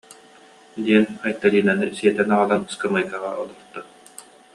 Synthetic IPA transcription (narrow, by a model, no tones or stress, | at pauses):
d̪iɛnajt̪ːalʲiːnanɯsiɛt̪ɛnaʁalˠanskamɯjkaʁa̰ʔɔlˠɔɾt̪ːa